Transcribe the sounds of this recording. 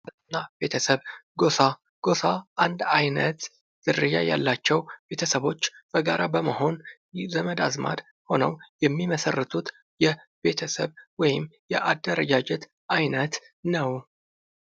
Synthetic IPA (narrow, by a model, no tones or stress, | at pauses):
nːabe̞t̪ʰəsəβɡosa | ɡ̥o̞saʔand̪ajnət̪ | z̥ɨrɨja̰ja̰lːat͡ʃːɛwb̥e̞t̪ʰəsəβo̞t͡ʃːb̥əɡaɾabəməho̞n | zəməd̪azma̰d̪ | ho̞nəwjɛmːiməsərːɨt̪ʰut̪ | jɛ | be̞t̪ʰəsəβwɔjɪmjɛʔad̪ːəɾəd͡ʒad͡ʒɛt̪ | ʔajnət̪ | nəw